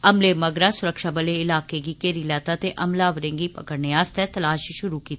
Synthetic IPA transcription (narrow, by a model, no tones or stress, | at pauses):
ɐmlemɐɡɾasʊɾəkʃabɐlẽɪlaːkeɡikeːɾilaːt̪at̪eʔɐmlaːʋɾẽːŋɡipɐ̰kəɽneaːst̪ɛt̪ɐlaːʃiʃʊɾukiːt̪ː